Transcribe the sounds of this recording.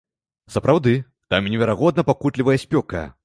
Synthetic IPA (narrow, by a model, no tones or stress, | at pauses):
sɐpɾʔawd̪ɨ | t̪amnʲɛvʲɛɾaɣɔd̪nɐpakut̪lʲivɐjɐsʲpʲɔkɐ̰